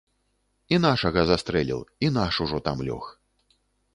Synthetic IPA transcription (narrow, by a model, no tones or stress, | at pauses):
inaʂɐɣɐzast̪ɾɛlʲḭwin̪aʂuʐɔt̪amlʲɔ̰x